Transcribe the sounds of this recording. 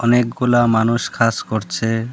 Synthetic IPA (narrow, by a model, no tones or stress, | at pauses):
ɔnek̚ɡulamanuʃkʰaskoɾt͡ɕʰe